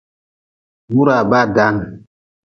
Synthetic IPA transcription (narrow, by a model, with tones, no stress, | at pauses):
mu˦ɾa˨ba˦˨da˦ŋ